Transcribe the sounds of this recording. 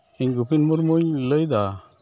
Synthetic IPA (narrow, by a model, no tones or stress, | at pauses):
iɲɡupinmuɾmuɲləjd̪a